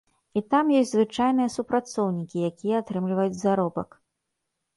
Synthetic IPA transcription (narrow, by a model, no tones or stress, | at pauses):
it̪amjɔsʲzvɨt͡ʂajnɨjɐsupɾat̪sɔwnʲikʲijakʲijɛːt̪ɾɨmlʲivɐjud͡zʲzaɾɔbɐ̰k